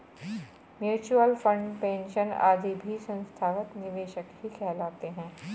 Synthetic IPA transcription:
mjuːt͡ʃuəlfə̃ɳɖpẽːnʃəna̰ːd̪ʱibʱisə̃nst̪ʰaːʋət̪nɪʋeːʃəkɦikʰɛːlaːt̪eɦɛ̃ː

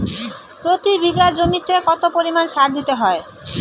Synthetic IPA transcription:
pɾot̪ibiɡad͡ʑomit̪ekɔt̪opoɾimanʃaɾd̪it̪eɦɔe

